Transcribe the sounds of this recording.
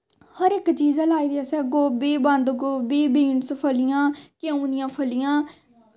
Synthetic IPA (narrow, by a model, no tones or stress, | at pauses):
həɾɪkt͡ʃiːzalaːiːd̪iːəsɛːɡoːbiːbənd̪ɡoːbiːbiːnspʰəlɪjãːkeũːnɪjãːpʰəlɪjãː